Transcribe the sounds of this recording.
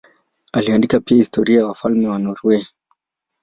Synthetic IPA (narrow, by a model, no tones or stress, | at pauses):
aliandikapiahistʰɔɾiajawafalmɛwanɔɾwɛ